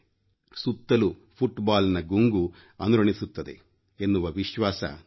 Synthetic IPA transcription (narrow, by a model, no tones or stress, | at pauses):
sut̪ːɐlupʰuʈbaːlnɐɡuŋɡu | ɐnuɾɐɳisut̪ːɐd̪e̞̰ | enːuʋɐʋiʃʋaːsɐ̰